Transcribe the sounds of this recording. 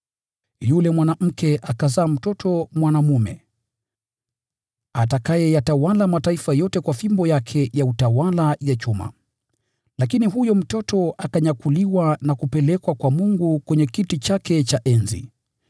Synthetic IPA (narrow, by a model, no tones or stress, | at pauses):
julɛmwanam̩kʰɛʔakazaːm̩tɔtʰɔmwanamumɛ | atakajɛjatawalamataifajɔtɛkwafimbɔjakʰɛjautawalajat͡ʃuma̰ | lakiniɦujɔm̩tɔtɔʔakaɲakuliwanakupɛlɛkwakwamuŋɡukwɛɲɛkitit͡ʃakɛt͡ʃaʔɛnzḭ